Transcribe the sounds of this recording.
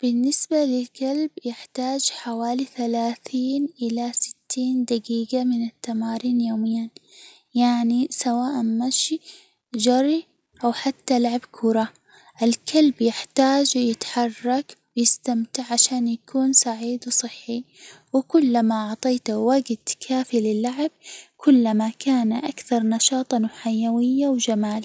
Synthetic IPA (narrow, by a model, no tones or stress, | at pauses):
b̥ɪnːɪsbalɪlkalbjɪħt̪aːd͡ʒħawaːliθalaːθiːnʔɪlasɪ̥t̪ʰːiːnd̪aɡiːɡamɪnɪt̪ːamaːɾiːnjoːmɪjːan | jaʕnisawaːʔanmaʃi | d͡ʒɑɾˤi | ʔawħat̪ːalaʕabkʰʊɾˤɑ | ʔɪlkʰalbjɪħt̪aːd͡ʒjɪt̪ħɑrˤːɑkwjɪst̪amt̪ɪʕʕaʃaːnjakʰuːnsaʕiːd̪wsˤɨħːi | wɪkʊlːamaʔɑʕt̪ˤɑːt̪waɡd̪kʰaːfilɪlːaʕɪb̚kʰʊlːamakʰaːnaʔakθɑɾˤnɑʃɑːt̪ˤɑnʊħajːawɪjːawd͡ʒamaːl